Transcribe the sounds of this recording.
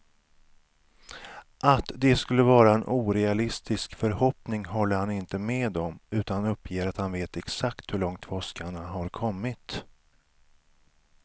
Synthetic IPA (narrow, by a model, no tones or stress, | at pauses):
ʔat̪d̪ɛskɵlːəvɑːɾaɛnʔuːɾɛalɪst̪ɪskfœɾhɔpnɪŋɦɔlːəɾhanɪnt̪əmeːd̪ɔmʉ̟ːt̪annɵpʰːjeːɾat̪hanveːt̪ɛksakt̪hɵɭɔŋt̪vɔskaɳaɦaɾkʰɔmːɪt̪